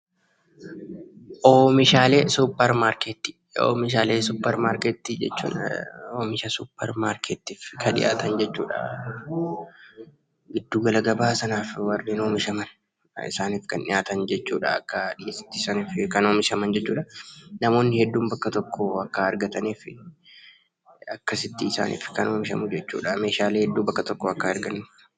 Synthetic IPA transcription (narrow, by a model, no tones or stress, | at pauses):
ʔoːmɪʃaːleːsupːɛɾmaːɾket̪ːi̥ | o̰ːmɪʃ̬aːleːsuːpːɐɾmaːɾkɛːt̪ːid͡ʒɛ̰t͡ʃːṵːnoːmɪʃɐsuːpːɐɾmaːɾkʰɛːt̪ːiːfkʰɐᶑɪ̰ʔa̰ːt̪ʰɐnd͡ʒɛt͡ʃːṵːᶑɐ̰ | ɡɪd̪ːuːɡɐlɐɡɐbaːsɐnaːfwɐrːiːnoːmɪʃɐmɐn | ɪ̰saːniːfkɐnᶑɪ̰jaːt̪ɐnd͡ʒɛt͡ʃːuːᶑɐ̰ɐkːɐᶑɪjeːsɪ̥t̪ːɪːsɐniːfkɐnoːmɪʃɐmɐnd͡ʒɛt͡ʃːuːᶑɐnɐmo̞ːnːɪhɛd̪ːuːmbɐkːɐt̪ɔkːɔɐkːɐɐɾɡɐt̪ɐniːfɪ | ɐkːɐsɪt̪ːiːsa̰ːnʔḭːfkɐno̞ːmɪʃɐ̰mʊd͡ʒɛt͡ʃːṵːᶑɐme̞ːʃaːleːhɛd̪ːuːbɐkːɐt̪ɔkːɔɐkːɐɐɾɡɐnːʊ